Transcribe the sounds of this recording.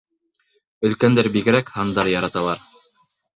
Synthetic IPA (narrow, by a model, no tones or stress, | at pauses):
ɵ̆lkænd̪æɾbiɡɘ̆ɾækhɑnd̪ɑɾjɑɾɑt̪ɑlˠɑɾ